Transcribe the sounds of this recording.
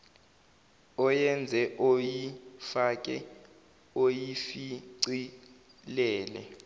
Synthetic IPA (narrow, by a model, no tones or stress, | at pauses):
ɔjɛnd͡zʱɛʔojifak̬ʼɛ | ojifiǀi | lɛːlɛ